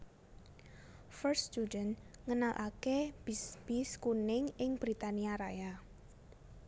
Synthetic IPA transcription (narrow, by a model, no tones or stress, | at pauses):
fərst̪udən | ŋənalʔakeb̥iskunɪŋɪŋb̥ɾit̪aniaɾa̰ja